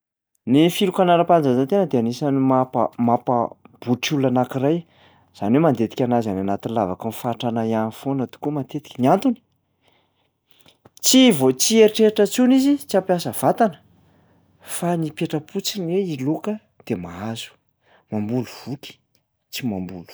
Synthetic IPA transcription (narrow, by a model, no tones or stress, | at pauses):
nifilukanaɾapand͡zazant̪enəd̪eanisanimapə̰mapab̥uʈ͡ʂulanakiraj | z̥anwemand̪et̪i̥kʲanazananat̪inlavakunfaʈ͡ʂanajanifonat̪u̥kumat̪et̪i̥kʲiniant̪uni̥ | t͡sivot͡sieɾiʈ͡ʂeɾiʈ͡ʂət͡sunizit͡siapjasəv̥at̪anə̥ | fanipeʈ͡ʂəpʰut͡sinweilukə | d̪̥emaazu̥ | mambuluv̥uki̥ | t͡simambulu̥